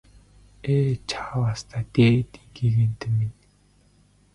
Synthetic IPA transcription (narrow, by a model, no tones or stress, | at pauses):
eːt͡ɕʰaːwast̪ʰaːt̪eːt̪iŋɡeɣeːnt̪ĕmin